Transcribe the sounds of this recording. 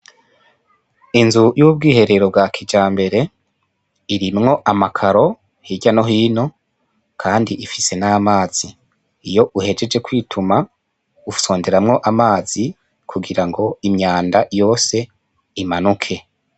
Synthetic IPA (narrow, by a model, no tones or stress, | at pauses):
inzujuːb̚ɡiːhe̞ɾe̞ɾo̞b̚ɡakʰid͡ʒaːmbe̞ɾe̞ | iɾimŋo̞ʔamakʰaɾo̞ | hiɟano̞ɦiːno̞ | kʰaːndiʔifise̞namaːz̥iː | jo̞ʔuhe̞d͡ʒe̞d͡ʒe̞kwiːtʰuma | u̥so̞ːnde̞ɾamŋo̞ʔamaːz̥i | kʰuɡiɾaŋɡo̞imɲaːndajo̞ːse̞ | imanukʰe̞